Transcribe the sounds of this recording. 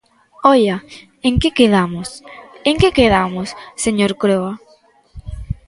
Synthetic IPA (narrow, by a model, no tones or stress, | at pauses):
ɔʎa | eŋkekeðamoseŋkekeðamosseɲoɾkɾoa